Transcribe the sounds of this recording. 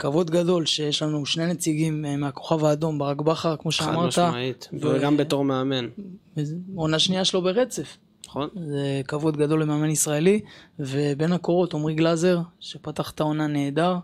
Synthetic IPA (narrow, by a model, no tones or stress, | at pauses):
kavo̞d̪ɡado̞lʃe̞jeʃlanuʃnenet͡siɡimmeako̞χavaːd̪o̞mbeʁakbaχaʁkmo̞ʃeamaʁt̪ait̪vɡambet̪oʁmeamen | o̞naʃniaʃelo̞be̞ʁe̞t͡se̞f | onzekavo̞d̪ɡado̞lemeame̞nisʁaelive̞be̞nako̞ʁo̞t̪o̞mʁiɡlaze̞ʁʃe̞pat̪aχt̪ao̞nane̞ːd̪aʁ